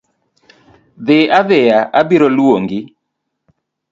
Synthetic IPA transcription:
ðɪaðɪjaʔabiɾolwoŋɡɪ

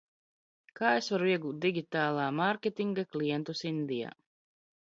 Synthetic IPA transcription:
kaːesvaɾuiɛɡuːt̪̚d̪iɡʲit̪aːlˠaːmaɾkʲet̪ʲiŋɡaklijɛnt̪usind̪ija̰ː

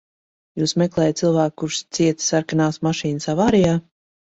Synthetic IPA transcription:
juːsmɛklˠɛːjat̪̚silˠvæːkːuɾʃst̪siɛt̪saɾkanaːsmaʃiːnɨsavaːɾijaː

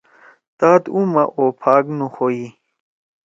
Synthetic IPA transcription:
t̪aːt̪umɐʔopʰaːknuxoi

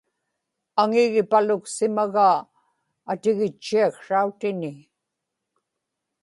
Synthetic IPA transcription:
aŋɪɣɪpalʊksɪmaɣaː | t̪ɪɣɪt͡ʃːiakʂaut̪ɪnɪ

